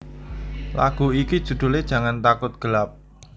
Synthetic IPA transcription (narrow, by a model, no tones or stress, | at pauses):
la̰ɡ̥ṳikid̥ʒ̥ṳd̪̥ṳled̥ʒ̥a̤ŋant̪akʊt̪̚ɡ̥əlap̚